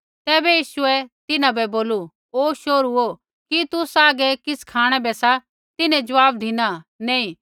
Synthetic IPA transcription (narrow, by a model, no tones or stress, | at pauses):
t̪ɛːbɛjiːsʊɛt̪ɪnãbɛboːlu | oːʃoːɾuo | kit̪ʊsaːɡɛkɪskʰaːɽ̃ɛbɛsa | t̪ɪnɛ̃d͡ʒɐʋaːbd̪ʱɪnanẽːĩ